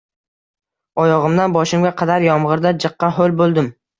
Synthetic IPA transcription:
ɒjɒʁɨmd̪anbɒʃɪmɡʲaqʰɑd̪aɾjɒmʁɨɾd̪ad͡ʒɨqːɑɦolˠbolˠd̪ɪm

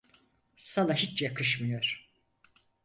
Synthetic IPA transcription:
sanaɦit͡ʃjakʰɯʃmɯjoɾ̥

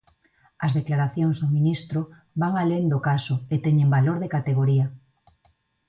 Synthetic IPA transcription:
ɐzðeklaɾaθjoŋzðomĩnist̪ɾo | βaŋalend̪okasoet̪eɲembaloɾðekat̪eɣ̞oɾia

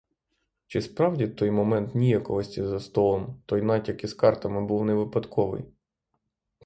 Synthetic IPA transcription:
t͡ʃɪspɾɑwdʲit̪ɔjmɔmɛnt̪nʲijɐkɔʋɔsʲtʲizɐst̪ɔlˠɔmt̪ɔjnɑtʲɐkiskɑrt̪ɐmɪbuwneʋɪpɐd̪kʰɔʋɪ̰j

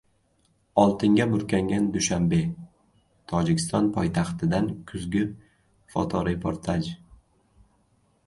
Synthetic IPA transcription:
ɒlˠt̪ʰɪŋɡʲabʊɾkʲʰaŋɡʲand̪ʊʃambe̞ | t̪ʰɒd͡ʒɪkʲɪst̪ɒnpʰɒjt̪ʰaχt̪ʰɪd̪ankʰʊzɡʲɪ | fɒ̰t̪ʰɒɾɪpʰoɾt̪ʰad͡ʒ

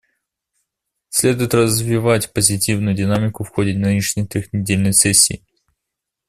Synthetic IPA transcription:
sʲlʲe̞d̪ʊjɪt̪rəzvʲɪvatʲpəzʲɪtʲivnʊjʊdʲɪnamʲɪkʊfxodʲɪnɨnʲɪʂnʲəjt̪ʲɪɣnʲɪdʲelʲnəjsɛsʲːɪ̰ː

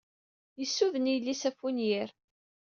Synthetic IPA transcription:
jəsːuðənijlːisæfunjɪɾ

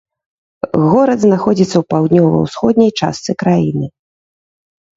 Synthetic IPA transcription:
ɣɔɾɐd̪znaxɔd͡zʲit̪sːɐwpawd̪nʲɔvɐ̰wsxɔd̪nʲɐjt͡ʂa̰st̪sɨkɾajinɨ

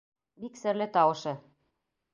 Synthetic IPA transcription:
biksɘ̆rlʲĕt̪ɑwɤ̆ʃɤ̆

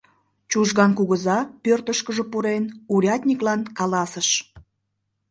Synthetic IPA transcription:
t͡ɕuʒɣɑnkuɣəzɑpørt̪əʃkəʒə̽puɾenuɾʲɑt̪ʲnʲiklɑnkɑlɑsəʃ

